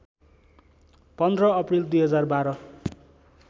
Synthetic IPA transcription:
pʌnd̪rʌʌprild̪ujɦʌd͡zarbaɾʌ

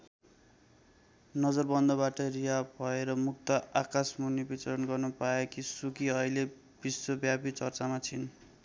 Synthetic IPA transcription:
nʌd͡zʌrbʌnd̪ʌβaʈʌriabʱʌeɾʌmuk̚t̪ʌakasmunibit͡sʌɾʌnɡʌrnupaekisukiʌile | b̥iswʌbjapit͡sʌrt͡samat͡sʰin

